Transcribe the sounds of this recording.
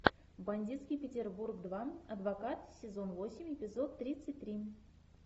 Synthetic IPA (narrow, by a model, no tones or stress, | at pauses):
bɐnʲdʲit̪skʲijpʲɪtʲɪrburkd̪vaɐd̪vɐkat̪sʲɪzo̞nvo̞sʲɪmʲɪpʲɪzo̞t̪ːɾʲit̪sətʲt̪ːɾʲi